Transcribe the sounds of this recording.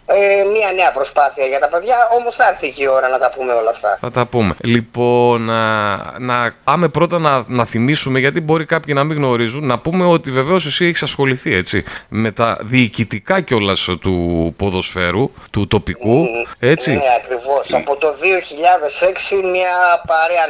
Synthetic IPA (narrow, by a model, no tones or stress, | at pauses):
emiɐneɐpɾo̞spɐθiɐʝɐt̪ɐpe̞ðʝɐo̞mosθɐɾθicio̞ɾɐnɐt̪ɐpumeo̞lɐːft̪ɐ̰θɐ̰t̪ɐpume̞̰lipo̞n | nɐɐmepɾo̞t̪ɐnɐnɐθimisume̞ʝɐt̪ibo̞ɾikɐpçinɐmiɣno̞ɾizunːɐpume̞o̞t̪ive̞veo̞sisieçi̥sɐsxo̞liθie̞t͡sḭme̞t̪ɐ̰ðiːcit̪ikɐceo̞lɐst̪upo̞ðo̞sfe̞ɾut̪ut̪o̞pikue̞t͡sineɐkɾivo̞sɐpot̪o̞ðio̞çiʎɐðe̞se̞ksimɐpɐɾeɐ